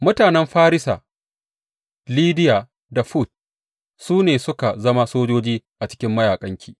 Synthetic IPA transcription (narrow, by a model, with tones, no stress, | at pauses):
mʊ˦taː˨nɛ˦mɸaː˦ɾɪ˦sa̰ː˨ | liː˦dɪ˦jaː˨ | da˨ɸu˦˨t̚ | suː˦neː˨sʊ˦ka˨zɐ˦ma˦soː˦d͡ʒoː˦d͡ʒiː˦ʔa˨t͡ʃɪ̥˦kʲɪ˦mːɐ˦jaː˨kʼɐ˦ŋkʲʰiː˨